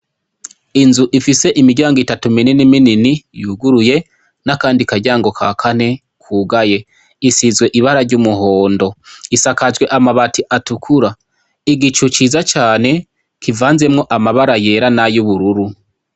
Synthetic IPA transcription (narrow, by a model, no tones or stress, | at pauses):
inzuʔifise̞ʔimiɟaːŋɡitatumininimininijuːɡuɾuje̞ | nakaːndikaɾɟaːŋɡo̞kʰakʰane̞ | kʰuːɡaje̞ | isizɡwe̞ʔiβaɾaɾɟumuho̞ːndo̞isakaʒɡwe̞ʔamaβatiʔatukʰuɾa | iɡit͡ʃut͡ʃizat͡ʃaːne̞ | kʰivaːnze̞mŋo̞ʔamaβaɾaje̞ɾanajuβuɾuɾu